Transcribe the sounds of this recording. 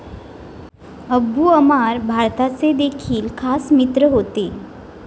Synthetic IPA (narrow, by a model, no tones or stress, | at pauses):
əbuəmaɾbʱaɾt̪at͡sed̪ekʰiːlkʰasmit̪ɾəɦot̪e